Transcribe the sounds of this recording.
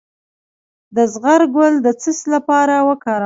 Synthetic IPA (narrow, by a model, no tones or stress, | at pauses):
d̪əzɣaɾɡʊld̪ət͡səslapɑɾawəkɑɾa